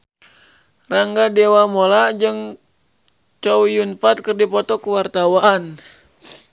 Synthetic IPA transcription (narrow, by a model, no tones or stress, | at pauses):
raŋɡadɛwamolad͡ʒəŋ | t͡ʃɔwijunfat̪̚kɨrdipɔt̪ɔkuwart̪awaːn